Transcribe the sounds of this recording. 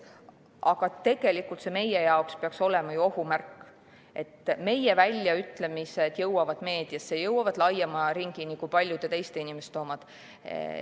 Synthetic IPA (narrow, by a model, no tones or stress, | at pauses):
ʔɑɡ̥ɑt̪e̞ɡ̥e̞likːˑult̪se̞me̞jejɑokspeɑkso̞lɛmɑjuo̞humærkːˑ | e̞t̪ːˑme̞jevælʲːjɑyt̪le̞mise̞d̪̥jɤwɑvɑd̪̥me̞ːd̪̥iɑssejɤwːɑvɑd̪̥lɑjemɑɾiŋɡ̥inikujpɑlʲjud̪̥e̞t̪e̞jst̪einimest̪ːoːmɑd̪̥